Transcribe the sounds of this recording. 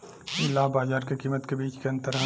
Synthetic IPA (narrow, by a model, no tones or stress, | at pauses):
ɪlːaːbaːzaːɾkekiːmət̪kebiːt͡ʃkeɐ̃nt̪əɾɦa